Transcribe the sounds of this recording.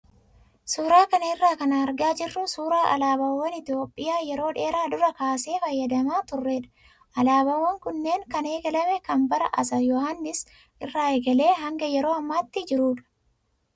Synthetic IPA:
suːɾaːkɐnɐɪrːaːkɐnɐɐɾɡaːd͡ʒɪrːʊsuːɾaːʔɐ̰laːbɐwːɔnɪt̪ɪjo̞ːpʼːɪjaːjɛɾo̞ːᶑe̞ːɾaːd̪ʊɾɐkaːse̞ːfɐjːɐd̪ɐmaːt̪ʊrːeːᶑɐ̥ | ɐlaːbɐwːɔŋkʊnːe̞ːŋkɐneːɡɐlɐmɛkɐmbɐɾɐʔɐsɐjɔhanːɪs | ʔɪrːaːeːɡɐle̞ːɦɐŋɡɐjɛɾo̞ːɐmːaːt̪ːɪd͡ʒɪɾuːᶑɐ̥

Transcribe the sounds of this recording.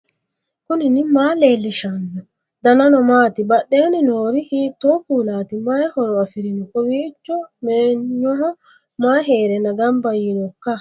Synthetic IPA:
kʊnɪnɪmaːle̞ːlːɪʃanːɔ | d̪ɐnɐnɔmaːt̪ɪbɐɗːe̞ːnɪnoːɾɪhiːt̪ːɔkuːlaːt̪ɪmɐjɛhɔɾɔɐfɪɾɪnɪkʼɔwiːt͡ʃːɔmeːɲːɔɦɔ | maːɦe̞ːɾɛnɐɡɐmbɐjːɪnɔkːɐ

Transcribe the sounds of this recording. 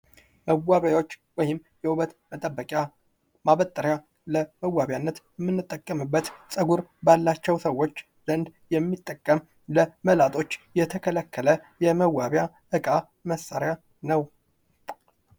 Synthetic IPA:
məwːaβajwo̞t͡ʃːwɔjɪm | jɛʔuβət̪mət̪ʼəbːəkʼja | maβət̪ʼːəɾja | ləməwːaβjanːət̪jɛmːɨnːɨt̪ʼːəkʼːəmɨbːət̪sʼəɡuɾbalːat͡ʃːɛwsəwːo̞t͡ʃː | zənd̪jɛmːit̪ʼːəkʼːəm | ləməlat̪ʼo̞t͡ʃːjɛt̪ʰəkʰələkʰːələjɛməwːaβja | ʔɨkʼa | məsaɾja | nəw

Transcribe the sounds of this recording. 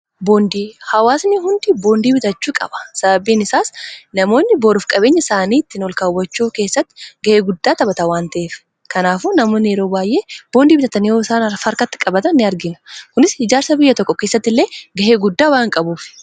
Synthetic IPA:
bo̞ːnd̪iːhɐwaːsnɪɦʊnd̪ɪbo̞ːnd̪iːbɪt̪ɐt͡ʃːuːkʼɐ̰bɐ̥sɐbɐbiːnɪsaːsnɐmo̞ːnːɪboːɾʊfkʼɐbe̞ːɲːɐsaːniːt̪ːɪnɔlkaʊwɐt͡ʃːuːke̞ːsːɐt̪ːɪ̥ɡɐhe̞ːɡʊd̪ːaːt̪ɐbɐt̪ɐwaːnt̪ɐʔeːf | kɐnaːfuːnɐmoːnɪɛɾoːbaːjʔeːb̥o̞ːnd̪iːbɪt̪ɐt̪ːɐnɪjoːɪsaːnɐfɐɾkɐt̪ːɪ̥kʼɐbɐt̪ɐnːɪɐɾɡɪnɐ̥kʊnɪshɪd͡ʒaːɾsɐbɪjːɐt̪ɔkʼːɔkeːsːɐt̪ːɪlːe̞ːɡɐheːɡʊd̪ːaːwaːŋkʼɐbuːfɪ̥

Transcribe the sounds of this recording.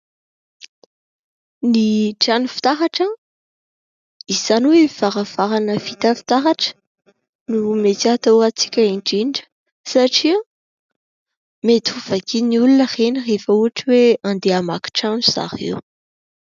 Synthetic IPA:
niʈ͡ʂanufi̥t̪aɦaʈ͡ʂə | iz̥aniwev̥aɾav̥aɾanəfit̪afi̥t̪aɦaʈ͡ʂə̥ | numet̪iat̪owat͡si̥kʲəiɳɖ͡ʐiɖ͡ʐə̥ | saʈ͡ʂi | met̪uv̥akiniulunəχenirefəuaʈ͡ʂiweand̪eamaki̥ʈ͡ʂanuz̥a̰χḭw

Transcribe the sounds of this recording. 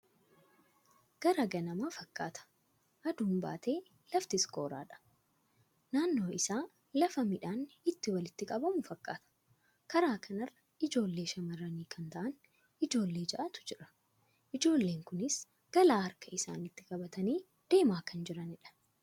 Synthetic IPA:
ɡ̥ɐɾɐɡɐnɐmaːfɐkːaːt̪ɐ̥ | ʔɐd̪uːmba̰ːt̪e̞ː | lɐft̪ɪsko̞̰ːɾa̰ːᶑɐ̥ | naːnːo̞ːʔɪsaː | lɐfɐmɪᶑaːnɪt̪ːɪwɐlɪt̪ːɪkʼɐbɐmʊfɐkːaːt̪ɐ̥ | kɐɾaːkʰɐnɐrːɐ | ɪd͡ʒo̞ːlːe̞ːʃɐmɐrɐniːkʰɐnt̪ɐʔɐn | ɪd͡ʒo̞ːlːe̞ːd͡ʒɐʔat̪ʊ̥d͡ʒɪɾɐ̥ | ʔɪd͡ʒo̞ːlːeːŋkʊnɪs | ɡ̥ɐlaːɐɾkʰɐɪsa̰ːnɪt̪ːɪkʼɐbɐt̪ɐniː | d̪̥e̞ːmaːkɐnd͡ʒɪɾɐnɪᶑɐ̥

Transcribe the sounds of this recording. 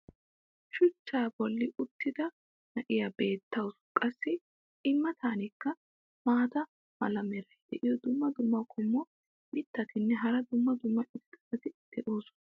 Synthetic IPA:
ʃʊt͡ʃːaːbɔlːɪʔʊt̪ːɪd̪ɐ | nɐʔɪjabe̞ːt̪ːɐwskʼɐsːɪ | ɪmːɐt̪ʰaːnɪkːɐ | maːd̪ɐ | mɐ̰lɐmɛɾɐjd̪̥ɛʔɪjɔd̪ʊmːɐd̪ʊmːɐwkʰɔmːɔ | mɪt̪ːɐt̪ɪnːɛɦɐɾɐd̪ʊmːɐd̪ʊmːɐʔɪt̪t̪ʼːɐ̥sɐt̪ɪd̪̥ɛʔoːsʊ̥nɐ

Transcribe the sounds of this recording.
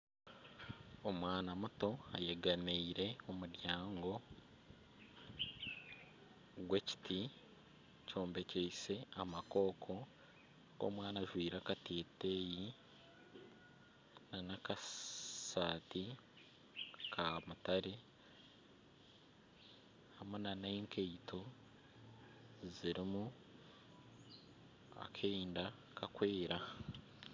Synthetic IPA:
omwaːnamuto̞ajeɡaneiɾe̞o̞muɾjaːŋɡo̞ | ɡwe̞ci̥tʰi | co̞ːmbe̞ceise̞amako̞ːkʰo̞ | o̰mwaːnaʒwiːɾakateːteːji | nanakasaːti | kʰamutaɾe | hamenaneiŋkʰejtʰo̞ | ziɾimu | a̰kʰeinda | kakwe̞ːɾa

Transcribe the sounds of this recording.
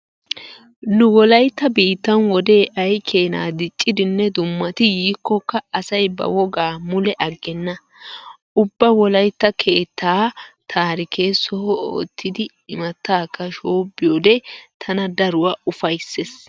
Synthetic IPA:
nʊwɔlɐjt̪ːɐbiːt̪ːɐnwɔd̪e̞ːʔɐjkʰe̞ːna̰ːd̪ɪt͡ʃʼːɪd̪ɪnːɛd̪ʊmːɐt̪ɪjiːkːɔkːɐːsɐjbɐ̰wɔɡaːmʊlɛʔɐɡːɛnːɐ | ʔʊbːɐwɔlɐjt̪ːɐkʰe̞ːt̪ːaːt̪ʰaːɾɪkʰe̞ːsɔhɔo̰ːt̪ʰːɪd̪ɪ | ɪmɐt̪ːaːkːɐʃoːbɪjoːd̪ɛt̪ʰɐnɐd̪ɐɾʊwaːʊfɐjsːes

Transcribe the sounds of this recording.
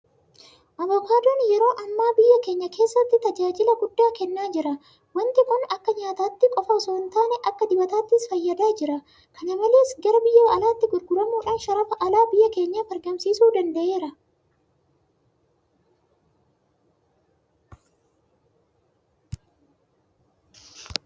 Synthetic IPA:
ʔɐvɔːkaːd̪oːnjɛɾo̞ːʔɐmːaːbɪjːɐke̞ːɲːɐkʰe̞ːsːɐt̪ːɪt̪ɐd͡ʒaːd͡ʒɪlɐɡʊd̪ːaːkɛnːaːd͡ʒɪɾɐ | wɐnt̪ɪkʼʊnɐkːɐɲaːt̪aːt̪ːɪkʼɔfɐsont̪aːnɛʔɐkːɐd̪ɪbɐt̪aːt̪ːɪsfɐjːɐd̪aːd͡ʒɪɾɐ | kʰɐnɐmɐle̞ːsɡɐɾɐbɪjːɐɐlaːt̪ːɪɡʊɾɡʊɾɐmuːᶑaːnʃɐɾɐfɐʔɐlaːbɪjːɐke̞ːɲːɐbɐɾɡɐmsiːsuːd̪ɐnd̪ɐʔe̞ːɾɐ

